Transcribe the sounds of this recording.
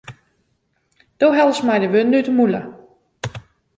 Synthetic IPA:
d̥oːɦɛlˠsmajdəʋønːytəmulə

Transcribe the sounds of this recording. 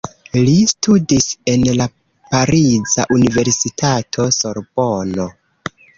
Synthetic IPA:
listʰudise̞nla | paɾiza̰ʔunive̞ɾsitʰatʰo̞so̞ɾb̥ono̞

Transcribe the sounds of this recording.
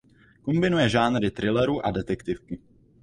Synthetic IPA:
kombɪnujɛʒaːnɾɪt̪ɾɪlɛɾuʔadɛt̪ɛkt̪ɪfkɪ

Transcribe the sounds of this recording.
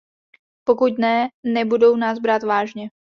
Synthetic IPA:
po̞kucnɛnɛbudo̞wnaːzbɾaːt̪vaːʒɲɛ

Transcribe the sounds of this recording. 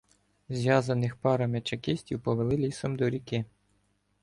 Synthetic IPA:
zʲʋjɑzɐnɪxpɑɾɐmʲet͡ʃɐkɪsʲtʲiwpɔʋelˠɪlʲisɔmd̪ɔɾʲikɪ

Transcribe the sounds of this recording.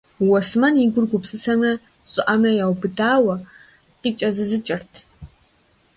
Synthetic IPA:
wɐsmɐniɡʷʊrɡʷʊpsʼɨsɐmrɐ | ɕʼɪʔɐmrɐjawbɨdaːwɐ | qit͡ʃʼɐzɨzɨt͡ʃʼɐrtʰ

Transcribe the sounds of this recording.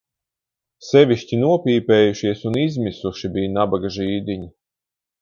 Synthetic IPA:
sɛvʲiʃcʲinuɔpʲiːpɛːjuʃiɛsunizmisuʃibʲijnabaɡaʒiːd̪ʲiɲi

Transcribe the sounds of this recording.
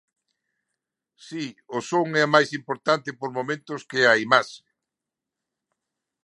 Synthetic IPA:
siʊsoŋɛamajsimpoɾt̪ant̪ɪpoɾmomẽnt̪ʊskɪaimaʃe

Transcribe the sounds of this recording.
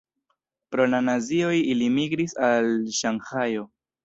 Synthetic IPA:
pɾo̞lanazio̞jilimiɡɾisalʃaŋhajo̞

